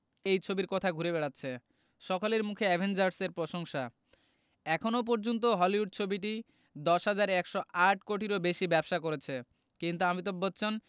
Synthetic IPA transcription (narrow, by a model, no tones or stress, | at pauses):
ejt͡ɕʰobiɾkɔt̪ʰaɡʱuɾebɛɽatːɕʰe | ʃɔkaleɾmukʰeɛbʱend͡ʑaɾseɾpɾoʃoŋʃa | ɛkʰonop̬ɔɾd͡ʑont̪̬oɦɔliɦuɖ̚t͡ɕʰobiʈ̬i | d̪ɔʃɦad͡ʑaɾɛkʃoʔaʈ̚ʰkoʈiɾobeʃibɛbʃakoɾet͡ɕʰe | kint̪uamit̪̬obotːɕʰon